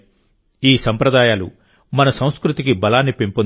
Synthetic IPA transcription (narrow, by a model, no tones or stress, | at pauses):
iːsɐmpɾɐd̪aːjaːlṵ | mɐnɐsɐ̃w̃skɾut̪ikibɐlaːnːipimpun